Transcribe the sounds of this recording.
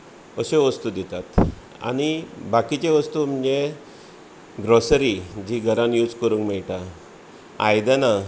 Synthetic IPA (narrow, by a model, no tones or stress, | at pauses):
əɕeʋəst̪ud̪it̪at̪ | a̰ɽ̃ibakit͡ɕeʋəst̪um̤əd͡ʑe | ɡɾosɾid͡ʑiɡʱəɾãnjud͡zkəɾũːŋkmɛɭʈ̪a | a̰jd̪ana